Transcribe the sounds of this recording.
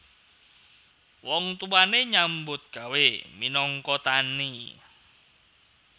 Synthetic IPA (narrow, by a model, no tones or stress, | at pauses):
wɔŋt̪uwaneɲambʊt̪̚ɡ̥a̤weminɔŋkɔt̪ani